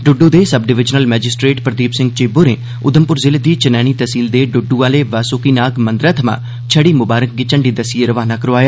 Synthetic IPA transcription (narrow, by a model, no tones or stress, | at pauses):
ɖʊɖːud̪eːsəbɖɪʋɪd͡ʒnəlmɛːd͡ʒɪsʈɾeːʈpɾəd̪iːpsɪŋɡ̚t͡ʃeːboːɾeː | ʊd̪əmpʊɾzɪled̪iːt͡ʃənɛːɽ̃iːt̪əsiːld̪eːɖʊɖuʋaːleːʋaːsoːkiːnaːɡmə̃nd̪ɾaːt̪ʰəmã̰ː | t͡ʃʰəɽiːmʊbaːɾək̚ɡit͡ʃəɳɖiːd̪əsieɾəʋaːnaːkəɾoaːjaː